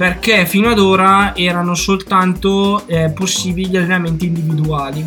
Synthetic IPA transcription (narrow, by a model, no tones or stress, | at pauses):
perkefiːnoad̪oːɾaɛːɾanosolt̪ant̪oposːiːbiiʎalːenament̪iːnd̪ivid̪uaːli